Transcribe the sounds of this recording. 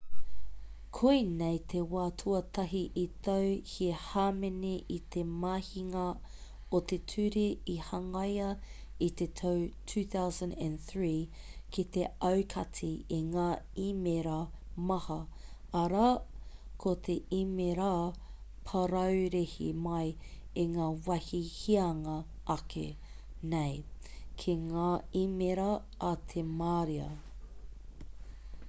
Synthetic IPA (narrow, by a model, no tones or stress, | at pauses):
kʰuinejt̪ʰewaːtʰuɐt̪ʰɐɦiʔit̪ɐwhihaːmeneʔit̪ʰemaːhiŋɐ | ot̪e̞tʰʉɾiihɐŋɐjɐ | it̪etʰɐwtʰʉːθawzɐ̃ndæ̃nθɹiː | kʰit̪e̞ɐwkʰɐtʰiiŋaːimeɾa | mɐhɐ | ɐɾa | kʰot̪ʰeʔimeɾapʰɐɾɐwɾehḭmɐjiŋaːwɐhihiɐŋɐ | ʔɐkʰḛ | nejkʰiŋaːimeɾɐː | t̪ʰemaːɾiɐ̰